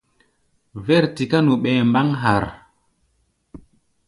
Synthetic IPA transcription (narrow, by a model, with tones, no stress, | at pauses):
vɛ˦˨ɾti˨ka˦nu˨ɓɛ˨mba˦ŋɦa˨ɾ